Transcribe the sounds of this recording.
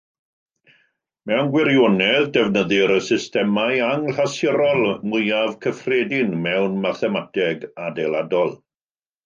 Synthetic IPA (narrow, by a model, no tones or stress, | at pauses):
mɛwnɡwɪɾjonɛðdɛvnəðɪɾəsɪstɛmajaŋɬasjəɾɔlˠmʊjavkʰəfreːdɪnmɛwnmaθɛmatʰɛɡadejladɔlˠ